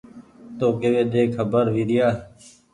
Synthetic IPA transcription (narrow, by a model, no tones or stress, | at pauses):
t̪oːkeʋeːd̪eːkʰəbəɾʋiːɾɪjaː